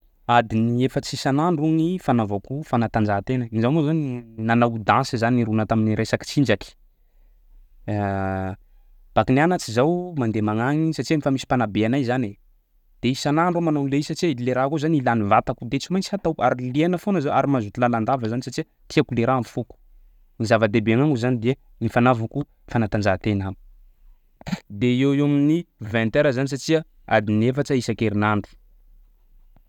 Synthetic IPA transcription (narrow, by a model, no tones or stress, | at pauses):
ad̪iniefət͡sisanaɳɖ͡ʐuŋifanavakufanat̪and͡ʒat̪enəizamozaninanawd̪ãnsizaniɾunət̪aminiɾʔesaki̥t͡sind͡ʒaki̥ | b̥akinanat͡sizawmand̪emaŋaŋisat͡ʃiamifamisi̥panabeanajzane | d̪̥eisanaɳɖ͡ʐomanaleisat͡ʃiəiileɾakuzanilanivat̪akud̪et͡simajnt͡si̥hat̪awaɾilienəfonəzawaɾimazut̪ilaland̪avəzanisat͡ʃiə | t̪iakuleɾamifuku̥ | nizavəd̪ebeaŋaŋuzanid̪e | nifanavaŋku | fanat̪and͡ʒat̪enami̥ | d̪eewewaminivɛ̃nt̪eɾəzanisat͡ʃiə | a̰d̪inefaʈ͡ʂəisəkeɾinaɳdi̥